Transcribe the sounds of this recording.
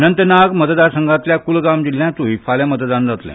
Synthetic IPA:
nənt̪ənaɡmət̪d̪asə̃ŋɡat̪ljakulɡamd͡ʑil̤ːjãt̪uɦifaljamət̪d̪ãnd͡zat̪ljã̰

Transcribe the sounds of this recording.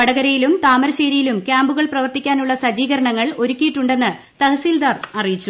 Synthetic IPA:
ɐɽɐɣɐɾɐjilumt̪aːmɐɾɐɕeːɾijilumkʲjaːmbuɣɐɭprɐʋɐrt̪ikʲːaːnuɭːɐsɐd͡ʑiːɣɐɾɐɳɐŋːɐɭo̞ɾukʲːijiʈːuɳɖe̞nːɨ | t̪ɐhɐsiːld̪aːrɐrijit͡ɕːu

